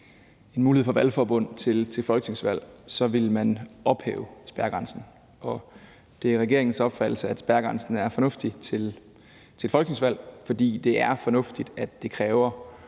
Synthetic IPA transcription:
e̝nmuːlihḛfɒʋælfɒːb̥ɔ̽n̰t͡sʰe̝lt͡sʰe̝lfɒ̽lɡ̥əne̝ŋsʋæl̰sɒ̽ʋe̝lmænʔɒ̽b̥hḛːʊsb̥æɐɡ̥ʁɑ̈nsn̩ | ɒ̽ | d̥e̝æʁɛɡ̥e̝ɐeŋn̩sɒ̽b̥fæd̥l̩səæd̥sb̥æɐɡ̥ʁɑ̈nsn̩æɐfɒ̽nɔ̽fd̥ie | t͡sʰe̝lfɒlɡ̥ne̝ŋsʋæl̰fɒ̽d̥ḭːd̥e̝ʔæɐfɒ̽nɔ̽fd̥id̥æd̥ːe̝kʰʁɛːʊɐ

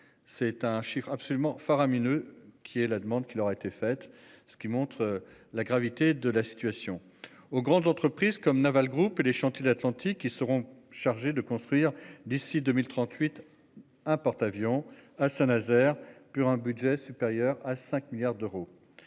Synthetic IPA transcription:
sɛt̪ɛ̃ʃifχapsɔlymɑ̃faʁaminøkʲʰiɛlad̪əmɑ̃d̪kʲilɔʁaet̪efɛt̪ | sə̥kʲimɔ̃t̪χəlaɡʁavit̪ed̪əlasi̥t̪ɥasjɔ̃ | oɡʁɑ̃d̪zɑ̃t̪χəpχizkɔmnavalɡʁupeleʃɑ̃t̪jed̪at̪lɑ̃t̪ʰikʲːisəʁɔ̃ʃaʁʒed̪əkɔ̃st̪χɥiʁd̪isid̪ømilt̪χɑ̃t̪ʰɥit̪ | ɛ̃pɔʁt̪avjɔ̃asɛ̃nazɛʁpuʁɛ̃bydʒɛsypeʁjœʁasɛ̃kmiljaʁd̪øʁo

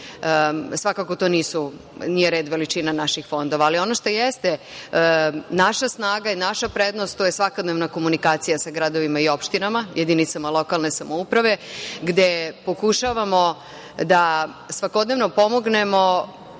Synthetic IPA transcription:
sʋakako̞t̪o̞niːsu | nijeɾe̞ːd̪ʋe̞lit͡ʃinanaʃixfo̞nd̪oʋaːlio̞noʃt̪ojest̪e | naʃasnaːɡainaʃapɾe̞d̪no̞st̪t̪ojesʋakod̪neʋnako̞munikaːt̪sijasaɡɾad̪o̞ʋimaio̞pʃt̪inamajʔed̪init̪samalˠo̞kalˠne̞samoupɾaʋe̞ɡd̪e̞po̞kuʃaʋamo̞ | d̪a | sʋako̞d̪ne̞ʋno̞po̞moɡne̞mo̞

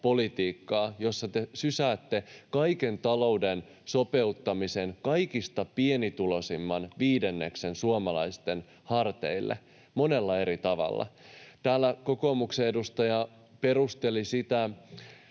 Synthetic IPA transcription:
po̞lit̪iːkːɑːjo̞sːɑt̪esysæːt̪ːe̞kɑjkent̪ɑlo̞uden | so̞pe̞ut̪ːɑmise̞nkɑjkist̪ɑpienit̪ulo̞simːɑnʋiːdenːeksensuomɑlɑjst̪e̞n | hɑrt̪ḛilːʔḛ | mo̞ne̞lːɑe̞ɾit̪ɑʋɑ̰lːɑ̰t̪æːlːæko̞ko̞mukseedust̪ɑjɑ | pe̞rust̪e̞lisit̪æ

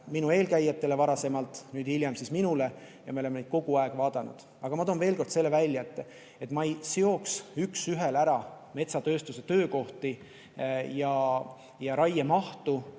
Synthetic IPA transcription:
minue̞ːlkæjːet̪ːˑe̞le̞vɑɾɑse̞mɑlt̪ːˑnyːd̪iljɑmsisminule̞ | jɑmeole̞mened̥̪̚ko̞ɡ̥uɑeɡ̥vɑːd̪̥ɑnṵd̪̥ | ɑɡ̥ɑmɑt̪oːnve̞ːlko̞rd̪̥se̞lːe̞vælʲːjɑet̪ːˑ | et̪ːˑmɑejseo̞ksyksyɦelæɾɑ | me̞t̪sɑt̪ø̞ːst̪use̞t̪ø̞ːko̞ht̪i | jɑ | jɑɾɑjemɑht̪u

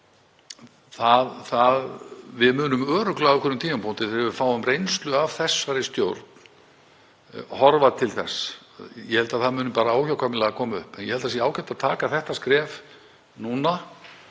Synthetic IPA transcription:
θaðθaðvɪðmʏːnʏmœːɾʏklaːɣʏkʰɛɾʏmt̪ʰiːmampʰont̪ɪθɛɾvɪfaːwʏmrejnst̪lʏav̥θɛsːaɾɪst̪jowɾt̪n | hɔɾvat̪ʰɪlθɛs | jɛhɛlt̪aðθaðmʏːnʏmpaːɾaaːwçawkʰamɪlaɣakʰɔːmaʏ̰hpɛnjɛhɛlt̪as̬iɛaːwkɛt̪aðt̪ʰaːkaθɛht̪askɾɛːv | nuna

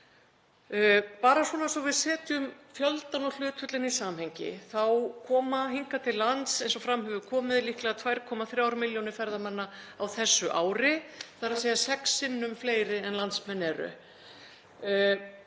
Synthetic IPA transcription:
paːɾaswɔːnasɔvɪðsɛːt̪ʏmfjœlt̪anɔl̥ʏːt̪fʏt̪lɪnisaːmhɛjɲcɪ̰θawkʰɔːmahiŋkat̪ʰɪlːant̪sejnsɔfɾamhɛvʏkʰɔːmɪðlihklɛɣat̪ʰvajɾ̥kʰɔːmaθɾjaːwɾmɪljɔnɪfɛɾðamanːaawθɛsːʏʔaːwɾɪθaɾaseːjasɛksːɪnːʏmfleːjɾɪɛnlant̪smɛnːɛɾʏ̰

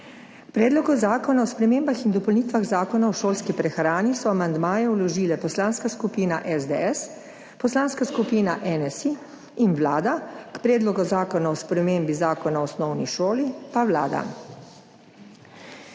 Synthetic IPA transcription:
kpɾɛːd̪lɔɡɔzaːkɔnaɔspɾɛmeːmbaxind̪ɔpɔlniːt̪ʋaɣzaːkɔnaɔʃoːlskipɾɛxɾaːnisɔamand̪maːjɛwlɔʒiːlɛpɔslaːnskaskupiːna̰ʔɛzd̪ḛɛs | pɔslaːnskaskupiːnaʔɛnɛsiː | nʋlaːd̪akpɾɛːd̪lɔɡɔzaːkɔnaɔspɾɛmeːmbizaːkɔnaɔsnɔwniʃoːlipawla̰ːd̪a̰

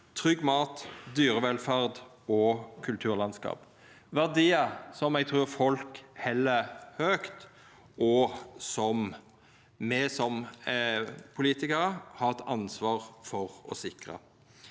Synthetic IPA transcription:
t̪ʰʁʏɡmɑːt̪d̪yːʁəʋɛlfæʁd̪ | ɔkʰʉlt̪ʰʉːʁlɑnskɑ̰ːp | ʋæʁd̪iːəsɔmɛɡ̚t̪ʰʁʉːʁfɔlkhɛlːəhøːkt̪ | ʔɔsɔm | mɛsɔm | pʰʊliːt̪ɪkəɾəhɑːʁt̪ɑnsʋɑːʁfɔʁɔ̰sɪkʁə̰

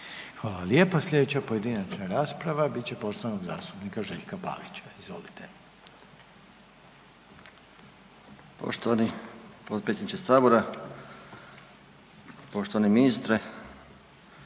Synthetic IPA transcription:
xʋaːlaljepaslʲʎʲje̞d̪et͡ɕapoje̞d̪inat͡ʃnaɾaːspɾaʋabit̪t͡ɕe̞po̞ʃt̪oʋanoɡza̰ːst̪upnikaʒe̞ʎkapa̰ːlit͡ɕaizʋo̞̰lit̪e | po̰ʃt̪oʋanipot̪pɾesʲed̪nit͡ʃesaːboɾa | poʃt̪oʋaniminist̪ɾe

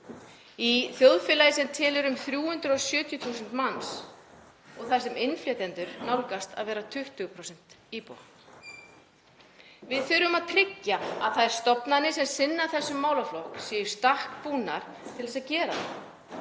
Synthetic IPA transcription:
iθjowðfɪːlajɪsɛmt̪ʰɛːlʏɾʏmθɾjuːhʏnt̪ɾʏɔɣsjʏːt̪jʏt̪ʰuːsʏn̥t̪mans | ɔɣθḁsɛmɪnflœt̪ɛnt̪ʏɾnawlkast̪a̰ðvɛːɾat̪ʰʏht̪ʏɣpʰɾɔsɛn̥t̪iːpo̰ | vɪðθʏɾʏmaðt̪ʰɾɪcːaa̰ðθaðɛɾ̥st̪ɔpnanɪsɛmsɪnːaɾθɛsːʏmːaːwlaflowksɛjɪɾ̥st̪ahkpuːna̰ɾ̥ | t̪ʰɪlθɛsaðcɛːɾaθa

